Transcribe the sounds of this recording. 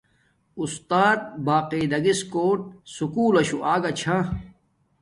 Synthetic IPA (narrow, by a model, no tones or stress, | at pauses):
ust̪aːt̪̚baːqeːd̪ɐɡiskoːʈ̚sukuːlɐɕuʔaːɡɐt͡ɕʰa